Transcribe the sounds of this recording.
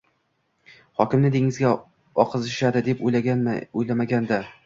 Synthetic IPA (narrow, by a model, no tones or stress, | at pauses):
hɒkʲɪmnɪd̪eŋɪzɡʲa | ɒqʰɨzɪʃad̪ɪd̪e̞poojlamaɡʲand̪a